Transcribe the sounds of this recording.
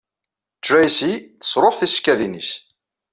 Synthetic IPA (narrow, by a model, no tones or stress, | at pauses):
t͡ʃɾæjsiθə̥sˤɾˤoħθiskːæðinis